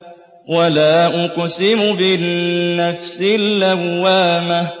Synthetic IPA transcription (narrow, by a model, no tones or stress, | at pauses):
walaːʔʊqsɪmʊbɪnːafsɪlʔawːaːma